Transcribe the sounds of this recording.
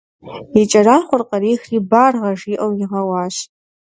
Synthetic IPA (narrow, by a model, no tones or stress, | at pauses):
it͡ʃʼɐraːχʷʊrqʼɐɾiːxribarʁɐʐiʔowiʁɐwaːʃ